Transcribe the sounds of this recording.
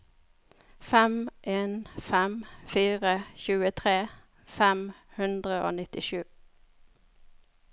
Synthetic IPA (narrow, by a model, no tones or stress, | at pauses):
fɛmʔeːnfɛmfiːʁəçʉːət̪ʰʁeː | fɛmhʉnd̪ʁəʔo̰ːnɪt̪ɪʃʉː